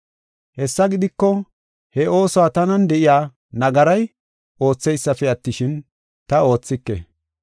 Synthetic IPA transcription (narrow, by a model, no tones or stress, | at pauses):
hɛsːɐɡɪd̪ɪkːɔ | hɛʔo̞ːsɔwaːt̪ɐnɐnd̪ɛʔɪjaː | nɐɡɐɾɐj | o̞ːt͡sːɛjsːɐfɛɐt̪ːɪʃɪn | t̪ɐo̞ːt͡sːɪkːɛ̰